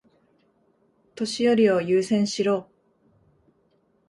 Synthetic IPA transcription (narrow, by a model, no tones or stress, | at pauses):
t̪o̞ɕijo̞ɾʲio̞jɯːsẽ̞ɰ̃ɕiɾo̞ː